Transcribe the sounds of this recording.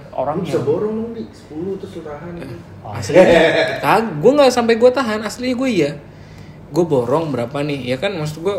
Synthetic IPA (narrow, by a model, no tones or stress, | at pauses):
o̰ɾaŋbisabɔɾɔŋnədisə̥pulʊt̪ʊsut̪aɦan | aslkalɡuaŋɡasampajɡuat̪aɦanasliɲaɡuaija | ɡuaboɾɔŋbəɾapanɪhjakanmas̬ut̪̚ɡua